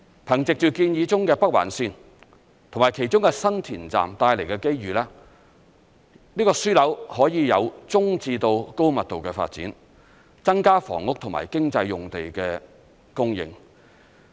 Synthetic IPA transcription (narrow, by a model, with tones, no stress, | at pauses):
pʰɐ˨˩ŋt͡sɪ˨k̚t͡ʃyː˨˩kiː˧njiː˨˧t͡sʊ˥ŋkɛː˧pɐ˥k̚wa̰ː˨˩nsiː˧n | t̪ʰmaː˨˩jkʰe˨˩jt͡ʃʊ˥ŋkɛ˧sɐ˥nt̪ʰiː˨˩nt͡sa̰ː˨mt̪aː˧jle˨˩jkɛː˧ke˥jɥyː˨laː˥ | niː˥kɔː˧syː˥lɐ˨˥whɔː˨˥jiː˨˧jɐ˨˧wt͡sʊ˥ŋt͡siː˧t̪o˧wko˥wmɐ˨t̚t̪o˨wkɛː˧fa̰ː˧t̚t͡sḭː˨˥n | t͡sɐ˥ŋkaː˥fɔ̰ː˨˩ŋʊ˥k̚t̪ʰʊ˨˩ŋma̰ː˨˩jkɪ˥ŋt͡sɐ˧jːʊ˨ŋt̪e˨jkɛː˧ | kʊ˥ŋjɪ̰˨˧ŋ